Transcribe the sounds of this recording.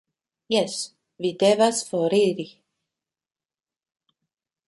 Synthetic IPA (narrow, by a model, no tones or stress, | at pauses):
jɛs | vid̪evasfoɾiɾi